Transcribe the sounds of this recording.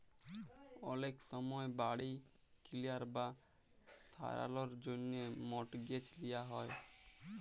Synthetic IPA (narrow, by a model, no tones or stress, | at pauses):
ɔleksɔmɔebaɽij | kʰilijaɾba | sa̰ɾa̰lɔɾd͡ʒonemɔʈɡet͡ʃlijaɦɔe